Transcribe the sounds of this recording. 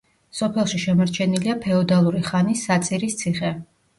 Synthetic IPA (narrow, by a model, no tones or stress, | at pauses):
sɔpʰɛlˠʃiʃɛmɔɾt͡ʃʰɛniliapʰɛɔd̪alˠuɾiχanisːat̪sʼiɾist̪sʰiχɛ